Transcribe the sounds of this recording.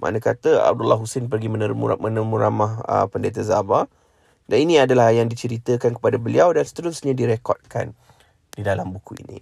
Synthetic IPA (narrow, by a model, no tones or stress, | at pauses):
mʔa̰nə̃kat̪əa̰b̚dulahɦusenp̬ərɡimənəmṵmənəmuɾamahə̰pəndet̪̬azaba | daninĩadalahjaŋdit͡ʃəɾit̪əkankə̥padabəliawdansə̥t̪əɾʊsɲadiɾekɔ̰t̪̚ka̰n | didalambukuḭnḭ̃